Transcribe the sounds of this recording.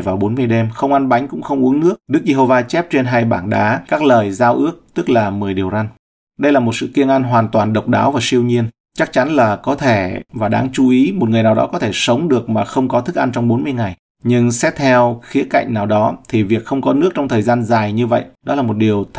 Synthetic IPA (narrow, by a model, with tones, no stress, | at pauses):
jvaː˨˩wɓo˨˦nmɨ˧əjɗɛ˧mxə˧wŋ͡mʔa˧nɓa˨˦jŋ̟kʊ̰˧˥ŋ͡mxə˧wŋ͡mʔu˨˦əŋnɨ˦˥ək̚ɗɨ˦˥k̚ze˧ɦo˧vaː˧t͡ɕɛ˦˥p̚t͡ɕe˧nɦaː˧jɓaː˧˩nɗaː˨˦kaː˦˥k̚ləː˨˩jzaː˧wʔɨ˦˥ək̚t̪ɨ˦˥k̚laː˨˩mɨ˨˩əjɗi˨˩əwza˧ŋ | ɗə˧jlaː˨˩mo˨˩t̚sɨ̰˧˨ki˧əŋʔa˧nɦwaː˨˩nt̪waː˨˩nɗə˨˩wk͡p̚ɗa̰ː˨˦wvaː˨˩si˧əwɲi˧ən | t͡ɕa˦˥k̚t͡ɕa˨˦nlaː˨˩kɔ˨˦t̪ʰe˧˩vaː˨˩ɗa̰ː˨˧˩ŋt͡ɕu˨˦ʔi˨˦mo˨˩t̚ŋɨ˨˩əjnaː˨˩ɗɔ̰˨˦kɔ˨˦t̪ʰe˧˩sə˨˦wŋ͡mɗɨ˨˩ək̚maː˨˩xə˧wŋ͡mkɔ˨˦t̪ʰɨ˦˥k̚ʔa˧nt͡ɕwŋ͡mɓo˨˦nmɨ˧əjŋa˨˩j | ɲɨ˧ŋsɛ˦˥t̚t̪ʰɛ˧wxi˨˦əka̰˧˨ŋ̟naː˨˩wɗɔ˨˦t̪ʰi˨˩vi˨˩ək̚xə˧wŋ͡mkɔ˨˦nɨ˦˥ək̚t͡ɕɔ˧ŋ͡mt̪ʰəː˨˩jzaː˧nzaː˨˩jɲɨ˧və̰˧˨jɗɔ˨˦laː˨˩mo˨˩t̚ɗi˨˩əwt̪ʰ